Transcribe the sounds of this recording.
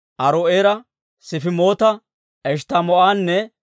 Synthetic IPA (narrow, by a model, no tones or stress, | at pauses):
ʔɐɾoʔeːɾɐ | sɪfɪmoːt̪ɐ | ɛʃt̪ɐmɔʔaːnːɛ